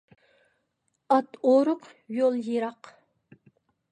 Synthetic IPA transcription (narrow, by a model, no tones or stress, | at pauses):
ɑt̪oɾʊq | jolˠjeɾɑq